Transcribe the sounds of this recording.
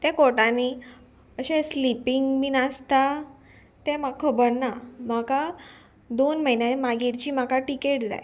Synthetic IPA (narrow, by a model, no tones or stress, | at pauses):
t̪ɛkoʈãni | əɕẽslipiŋɡmiːnast̪a | t̪ɛmakʰəbənːamaka | d̪onməɦjnjamaɡiɽt͡ɕiːmakaʈikeʈd͡za̰j